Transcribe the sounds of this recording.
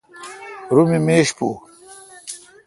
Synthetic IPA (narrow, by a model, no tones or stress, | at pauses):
ɾumimeːɕpu